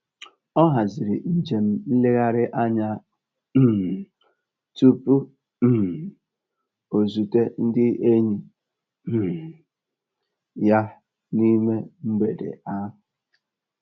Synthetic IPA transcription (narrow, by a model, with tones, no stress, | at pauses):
ɔ˦ɦa˨zɪ˨ɾɪ˨n̩˨d͡ʒe˨m̩˦n̩˦lɪ˦ɣa˦ɾɪ˦ʔa˦ɲa˦˨ | tu˦pu˦˨ | o˨zu˨te˦n̩˦dɪ˦ʔe˦ɲi˨˦˨ | ja˦ | ni˦me˦m̩˦ɡ͡be˨dḛ˨a˦ɦʊ˨